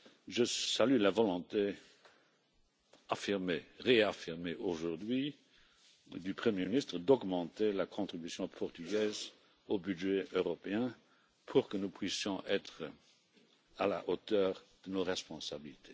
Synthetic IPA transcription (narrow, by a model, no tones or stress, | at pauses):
ʒəsalylavɔlɔ̃t̪e | afiʁmeʁeafiʁmeʔoʒuʁd̪ɥi | d̪ypχəmjeminist̪χəd̪ɔɡmɑ̃t̪elakʰɔ̃t̪χibysjɔ̃pʰɔʁt̪yɡɛːz | obyʒeøʁɔpeɛ̃ | pʰuʁkənupʰwisjɔ̃ʔɛt̪χə | alaʔot̪œːʁd̪̥ənoʁɛspɔ̃sabilit̪ʰe